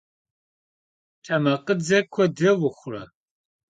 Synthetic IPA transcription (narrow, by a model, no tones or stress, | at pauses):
tʰɐmɐqʼəd͡zɐkʷʰɔdɐwʊχʷrɐ̰